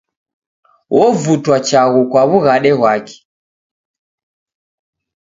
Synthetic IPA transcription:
wʔɔvutwat͡ʃaɣukwaβuɣaɗɛɣwakɛ̥

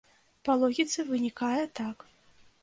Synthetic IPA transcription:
pɐlˠɔɣʲit̪sɨvɨnʲikajɛt̪ak

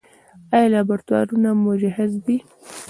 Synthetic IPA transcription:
ajalabaɾt̪wɑ̰ɾunamʊd͡ʒaɦɪzd̪i

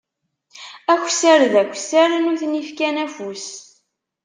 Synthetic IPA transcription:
æçʷsəɾðækʷːsaɾnuθnifkænæfus

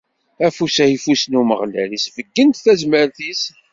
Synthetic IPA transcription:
æfusæifusnuməʁlæ̰lisvəɡːənt̪θæzməɾθis

